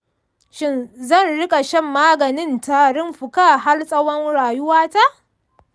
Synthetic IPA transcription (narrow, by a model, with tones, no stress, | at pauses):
ʃɪ˦nzɐ˦˨nɽɪ˦kʼa˨ʃɛ˦˨mːaː˦ɡɐ˨nɪ˦ntaː˨ɽɪ˦mɸʊ˨kaː˦˨ɦa˦lsʼɐ˦wɐ˦nɽaː˨jʊ˦waː˦ta˦ʔ